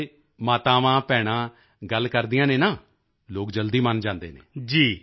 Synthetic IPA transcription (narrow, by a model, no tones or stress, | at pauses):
maːt̪ãːʋãːpɛːɽ̃ãː | ɡəlkəɾd̪ijãːneːnaː | loːkd͡ʒəld̪iːmənd͡ʒãːnd̪ḛːnḛːd͡ʒiː